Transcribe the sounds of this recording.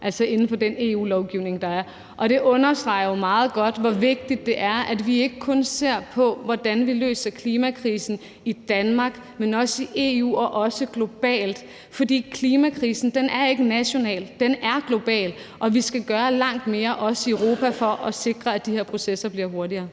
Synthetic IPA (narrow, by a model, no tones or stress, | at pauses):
ʔæl̰sɒe̝nn̩fɒ̽dene̝ːṵːlɒʊɡ̥iʊ̰ne̝ŋd̥ɑ̈æɐ | ʔɒ̽ɾ̥e̝ʔɔ̽nɐsd̥ʁɑ̈ɪ̰ɐjomɑ̈ːð̞̩ˠɡ̥ɒ̽d̥ʋɒʋe̝ɡ̥̚d̥id̥ːe̝ʔæɐʔæd̥ʋie̝ɡ̥əkʰɔ̽nse̝ɐ̰pʰɒ̽ʋɒd̥ænʋilø̰ːsɐkʰliːmækʰʁiːsn̩ | id̥ænmɑ̈ɡ̥ | menɒ̽səiʔe̝ːṵːɒ̽ʔɒ̽səɡ̥lo̝b̥ɛ̰ːld̥ | fɒ̽dḭːkʰliːmækʰʁiːsn̩d̥enæɐe̝ɡ̥ənæɕo̝nɛ̰ːld̥enæɐɡ̥lo̝b̥ɛ̰ːl | ʔɒ̽ʋisɡ̥æɡ̥ɶːɐlɑ̈ŋ̰d̥me̝ːɐʔɒ̽səiəʊʁo̝ːpʰæfɒ̽ʔɒ̽se̝ɡ̥ʁɐæd̥iheɐpʰʁo̝sesɐb̥liɐɦo̝ɐdiɐː